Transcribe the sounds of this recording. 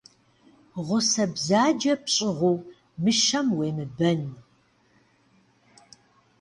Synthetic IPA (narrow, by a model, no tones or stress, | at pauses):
ʁʷʊsɐbzaːd͡ʒɐpɕʼɪʁʷuː | mɨʃɐmweːmɨbɐn